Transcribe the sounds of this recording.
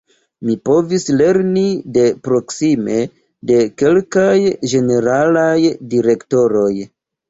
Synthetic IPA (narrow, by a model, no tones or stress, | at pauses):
mipo̞visle̞ɾnide̞pɾo̞ksime̞ | de̞ke̞lkajʒe̞ne̞ɾalajdiɾe̞kto̞ɾo̞j